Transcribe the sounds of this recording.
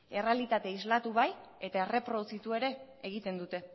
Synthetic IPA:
e̞re̞alit̪at̪e̞izlat̪uβaje̞t̪ae̞re̞pɾo̞ðut͡sit̪ue̞ɾe̞ːɣ̞it̪e̞nd̪ut̪e̞

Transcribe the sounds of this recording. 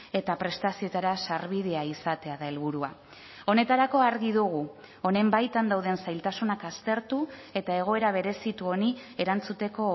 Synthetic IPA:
e̞t̪apɾe̞st̪asio̞t̪aɾasaɾβið̞e̞aisat̪e̞aðae̞lβuɾua | o̞ne̞t̪aɾako̞aɾɣiðuɣ̞u | o̞ne̞mbajt̪and̪awðe̞nsajlt̪asunakast̪e̞ɾt̪ue̞t̪ae̞ɣ̞o̞e̞ɾaβ̞e̞ɾe̞sit̪uo̞nie̞ɾant͡sut̪e̞ko̞

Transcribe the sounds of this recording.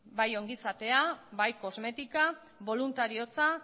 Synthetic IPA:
bajo̞ŋɡisat̪e̞abajko̞zme̞t̪ika | βo̞lunt̪aɾio̞t͡sa

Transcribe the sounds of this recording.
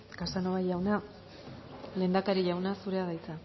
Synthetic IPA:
kasanoβajawna | le̞nd̪akaɾiʝawnasuɾe̞aðajt͡sa

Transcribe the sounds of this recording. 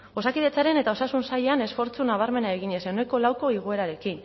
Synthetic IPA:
o̞sakiðe̞t͡saɾe̞ne̞t̪ao̞sasunsajeane̞sfo̞ɾt͡sunaβ̞aɾme̞nae̞ɣ̞iɲe̞sewne̞ko̞lawko̞iɣ̞oe̞ɾaɾe̞kin

